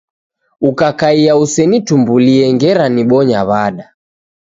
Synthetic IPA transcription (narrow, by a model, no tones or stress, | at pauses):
ukakaiausɛnitumbuliɛŋɡɛɾaniɓɔɲaβaɗa